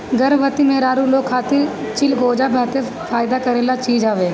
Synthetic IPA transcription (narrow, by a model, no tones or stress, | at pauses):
ɡəɾʋət̪imeɦɾaːɾũːloːkʰːaːt̪i | t͡ʃɪlɡoːd͡ʒaːbəɦt̪e | fʰaːɪd̪aːkəɾẽlaːt͡ʃiːd͡ʒaːʋeː